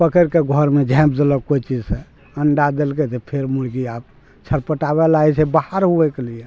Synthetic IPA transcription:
pəkəɾkeɡʱɔɾmed͡ʒʱɛ̃p̚d̪eləkkot͡ʃid͡ʒsẽ | əɳɖad̪elket̪epʰeɾmulɡiap̚ | t͡ʃʰəɾpəʈabɛlaɛt͡ʃʰebahəɾɦuɛkelie

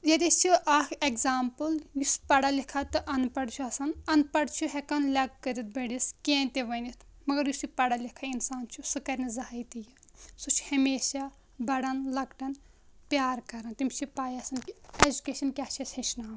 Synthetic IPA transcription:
d͡ʒɐd̪it͡ʃʰiʔɐkʰekzaːmpɨljuspɐɽɐlikʰɐt̪ɨʔɐnpɐɽt͡ʃʰuɐsɐnɐnpɐɽt͡ʃʰuɦekɐnlʲɐɡ̚kɐɾit̪̚bɐɽiskʲẽnt̪eʋɐnit̪ʰmɐɡɐɾjusipɐɽɐlikʰɐinsaːnt͡ʃʰusɨkɐɾnizɐɦajt̪iji | sut͡ʃʰhɐmeːʃa | bɐɽɐnlɐkʈɐn | pjaːɾkɐɾɐnt̪imt͡ʃʰipaːjɐsɐnʲed͡ʒukeːʃɐnkʲat͡ʃʰɐshet͡ʃʰnaːm

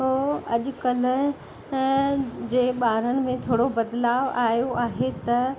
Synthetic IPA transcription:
oɐʄʊ̆kɐl | d͡ʑeːɓaːɾənɪ̆mẽt̪ʰoːɽobɐd̪laːʋaːjoaːɦet̪ɐ

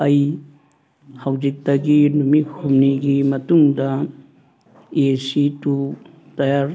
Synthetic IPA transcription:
ɐj | hɐwd͡ʒik̚tɐɡinumihʰumniɡimɐtuŋdɐ | eesitu | tɐjaɾ

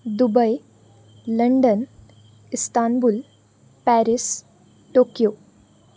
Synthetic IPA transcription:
d̪ubəj | ləɳɖən | ist̪anbul | pæɾis | ʈokjo

